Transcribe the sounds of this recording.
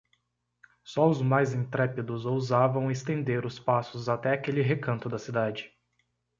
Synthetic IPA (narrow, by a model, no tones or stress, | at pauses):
sɔʊzmajzẽt̪ɾɛpid̪ʊzowzavɐ̃w̃est̪ẽnd̪eɾʊspasʊzat̪ɛakelɪɦekɐ̃nt̪ʊd̪ɐsid̪ad͡ʒɪ